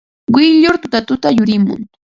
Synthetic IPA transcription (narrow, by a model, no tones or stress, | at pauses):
wɪʎʊɾt̪ʊt̪at̪ʊt̪ajʊɾɪmʊ̰ŋ